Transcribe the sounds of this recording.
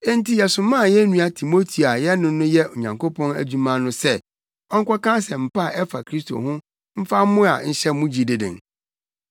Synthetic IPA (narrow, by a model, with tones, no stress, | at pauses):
e˦n˦ti˦jɛ˨sʊ̃˨mãː˦˨jɛ˦nũ˦a˦tʰi˨mo˦tʰi˨a˨jɛ˦nʊ̃˦nʊ̃˦jɛ˦o˨ɲã˨ŋko˦pʰɔ̃˦næ̰˨d͡ʑu˦mã˦nʊ̃˦sɛ˦˨ | ɔ˦ŋ̩˦kʷa˦kã˦sɛ˨m̩˨pa˦˨ʔɛ˦fa˨kʰɾi˦stʰo̰˨ɦʊ̃˦ | m̩˦fa˦mʊ̃˦a̰˨n̩˦ɕɛ˦mʊ̃˦d͡ʑi˨dɪ˨dɪ̰̃˨ŋ